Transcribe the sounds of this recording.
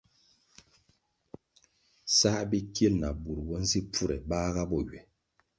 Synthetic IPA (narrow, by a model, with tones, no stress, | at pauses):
sa˦ʔbi˦kje˦lna˨bu˨ɾwɔ˦n˦zi˦pu˦˨ɾɛ̰˨baː˦ɣa˦bɔ˦˨ɥɛ˨